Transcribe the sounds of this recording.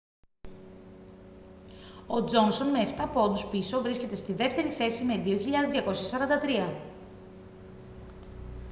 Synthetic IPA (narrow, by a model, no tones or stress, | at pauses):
o̞d͡zo̞nso̞nme̞ːft̪ɐpo̞d̪uspiso̞vɾisce̞t̪e̞st̪iðe̞ft̪e̞ɾiθe̞sime̞ðio̞çiʎɐðezðʝɐko̞sçɐsɐɾɐnd̪ɐt̪ɾiɐ